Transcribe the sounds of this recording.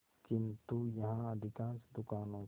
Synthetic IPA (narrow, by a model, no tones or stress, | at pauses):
kint̪ujaɦãːdikasd̪ukanõ